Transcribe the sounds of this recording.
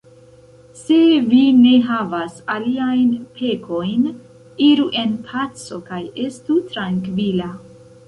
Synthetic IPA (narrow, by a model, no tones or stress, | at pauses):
se̞vine̞ɦavasaliajnpʰe̞kʰo̞jn | iɾuʔe̞npʰat͡so̞kaje̞stutɾaŋkvila